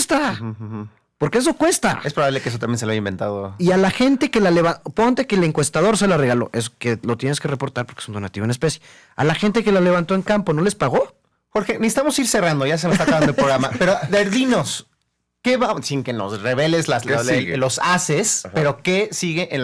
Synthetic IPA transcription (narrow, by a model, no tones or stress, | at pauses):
st̪a | po̞ɾkees̬o̞kwest̪a̰espɾoβaβlekeesot̪ambjenseloajaimbe̞nt̪a̰ðo̰ialaxe̞nt̪e̞ke̞laleβapoɣnt̪ekele̞ŋkwe̞st̪aðo̞ɾs̬e̞lare̞ɣalo̞̰ʔesokelo̞t̪jene̞ske̞repo̞ɾt̪aɾpo̞ɾkesund̪o̞nat̪iβnespe̞sje | a̰laxent̪̬e̞ke̞lale̞βant̪o̞e̞ŋkampo̞nole̞spaɣo̞ | xo̞ɾxe̞miest̪amo̞siɾse̞rand̪oʝas̬emest̪akaand̪oelpɾoɣɾamapeɾoðeɾðinos | keβasiŋkeno̰sreβeleslaslosasespeɾo̞kesiɣeʔen